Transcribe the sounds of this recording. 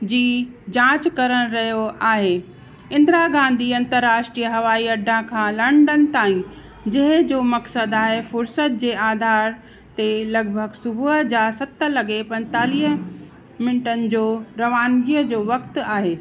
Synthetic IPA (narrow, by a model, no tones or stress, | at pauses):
d͡ʑiːd͡ʑãːt͡ɕkɐɾəɽ̃ɾɐɦijoaːɦe | ɪ̃nd̪ɾaɡãːn̆d̪ʱiɐ̃nt̪əɾːaːʃʈɾiːəɦɐʋaːiɐɖʱãkʰãːlɐɳɖən̆t̪aːĩ | d͡ʑɐɦɪ̃d͡ʑoːmɐksəd̪aːɦefʊɾsət̪̚d͡ʑeːaːd̪ʱaːɾ | t̪elɐɡ̚bʱəɡsʊbʱuɦəd͡ʑaːsɐt̪ə̆lɐɡepɐ̃nt̪aːliːɦə | mɪnɪʈənɪ̆d͡ʑoːɾɐʋaːnɡiːəd͡ʑoːʋɐkt̪aːɦeː